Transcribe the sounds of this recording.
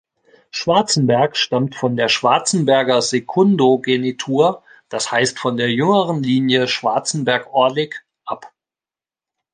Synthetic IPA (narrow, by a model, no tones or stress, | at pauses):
ʃv̥aɐt͡sn̩bɛɐkʃtamtfɔndeːɐʃv̥aɐt͡sn̩bɛɐɡɐzekʰʊndoɡenitʰuːɐ | d̥ashaɪstfɔndeːɐjʏŋəʁənliːnjəʃv̥aɐt͡sn̩bɛɐkʔɔɐdɪk | ʔap